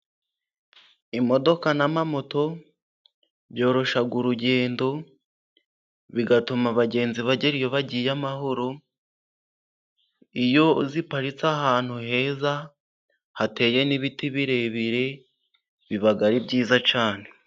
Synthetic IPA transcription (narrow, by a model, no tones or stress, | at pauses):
imo̞do̞kanamamoto̞ | βjo̞ːɾo̞ʃaɡuɾuɟe̞ːndo̞ | βiɡatumaβaɟe̞ːnziβaɟeɾijo̞βaɟijamaɦoɾo | ijo̞zipaɾit͡sahaːn̥huɦe̞ːza | hate̞ːje̞niβitiβiɾe̞βiɾe̞ | βiβaɡaɾibɟiːzat͡ʃaːne̞